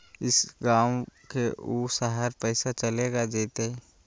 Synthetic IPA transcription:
ɪsɡaːwkeuːsaɦəɾpɛːsat͡ʃəleːɡad͡ʒeːt̪eɛ

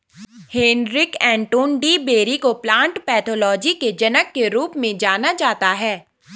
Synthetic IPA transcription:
heːnɾɪkɛ̃ːɳʈoːnɖibeːɾikoplãːɳʈpɛːt̪ʰoːlɔːd͡ʒiked͡ʒɐnəkːeɾuːpmẽd͡ʒaːnad͡ʒaːt̪aɦɛː

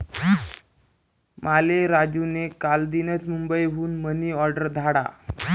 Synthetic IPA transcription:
maleɾad͡ʑunekald̪inət͡smumbəjɦuːnməniːɔɾɖəɾd̪ʱaɽa̰

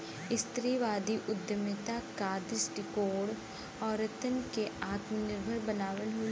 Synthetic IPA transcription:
ɪst̪ɾiʋaːd̪iʔʊd̪jəmət̪akaːd̪ɪsʈɪkoːɽ | ɔːɾɐt̪ənkeaːt̪mənɪɾbʱəɾbɐnaːʋəlɦoːl

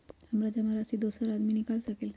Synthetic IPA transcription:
hɐmɾad͡ʒɐmaɾasid̪oːsəɾaːd̪minɪkaːlsɐkel

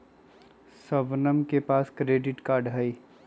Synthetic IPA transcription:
səbnəmkepaːskɾeːɖɪʈkaːɾɖɦəi

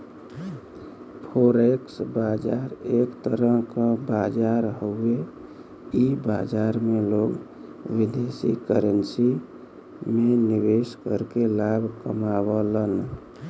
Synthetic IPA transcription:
pʰoɾeksbad͡ʒaɾekt̪əɾəɦkəbad͡ʒaɾɦəwe | ibad͡ʒaɾmeloɡ | wid̪esḭkəɾənsi | meniʋeskəɾkelabʱkəmabələn

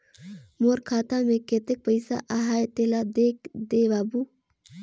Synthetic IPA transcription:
moɾkʰaːt̪ameket̪ek̚pəjsa̰ʔaɦajt̪elad̪ek̚d̪eʋabu

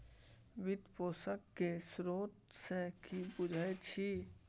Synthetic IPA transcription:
ʋɪd̪poːsəkːesɾoːt̪sekibʊd͡ʒʱəet͡ʃʰi

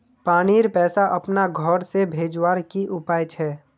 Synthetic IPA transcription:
paːniːɾpɛːsaʔɐpnaɡʱɔːɾsebʱeːd͡ʒwaːɾkiʔʊpaːjt͡ʃʰɛː

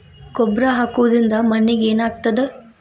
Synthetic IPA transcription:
ɡɔbɾɐɦaːkuʋɐd̪ɾind̪ɐmɐnːeɡeːnaːɡ̚t̪ɐd̪e

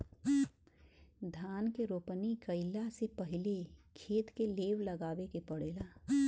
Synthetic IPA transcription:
d̪ʱaːnkeɾoːpnikəɪlasepəɦɪlekʰeːt̪keleːʋləɡaːʋekepəɽeːlaː

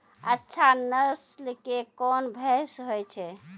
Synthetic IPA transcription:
ətːʃʰanəslkekɔnbʱɛsɦojt͡ʃʰɛ

